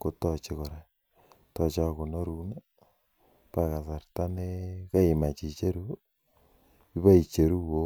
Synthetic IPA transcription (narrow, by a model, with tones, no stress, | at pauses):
ko˦tɔ˨t͡ʃe˦ko˨ɾe˨ | tɔ˨t͡ʃa˦ko˨no˦ɾu˦na˦ | pa˦˨ka˨sa˨ɾta˦ne˦ka˦i˨ma˨t͡ʃi˨t͡ʃe˦ɾu˦ | i˦βa˦i˨t͡ʃe˨ɾu˦wo˦